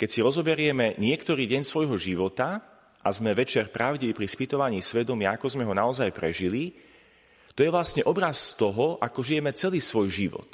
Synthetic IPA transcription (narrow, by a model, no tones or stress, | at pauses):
kɛcsiɾɔzɔbɛɾɪɛmɛɲɪɛkt̪ɔɾiːɟɛɲsʋɔjɦɔʒiʋɔt̪a | ʔa̰zmɛʋɛt͡ʃɛɾpɾaʊɟiʋipɾispit̪ɔʋaɲiːsʋɛd̪ɔmɪaakɔzmɛɦɔnaɔzajpɾɛ̰ʒili | t̪ɔjɛʋlastɲɛʔɔbɾast̪ɔɦɔʔakɔʒijɛmɛt͡sɛliːsʋɔjʒiʋɔ̰t̪